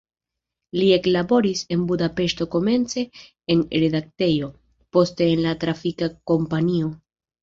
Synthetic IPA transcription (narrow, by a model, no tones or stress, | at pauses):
lie̞klabo̞ɾise̞nbudape̞ʃto̞ko̞me̞nt͡se̞ː | nɾe̞dak̚te̞jo̞ | po̞ste̞ːnlatɾafikako̞mpanio̞